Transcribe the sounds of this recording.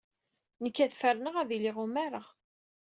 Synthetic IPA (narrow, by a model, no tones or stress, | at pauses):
nəkːæðfərnəʁæðilɪʁumæɾˤəʁ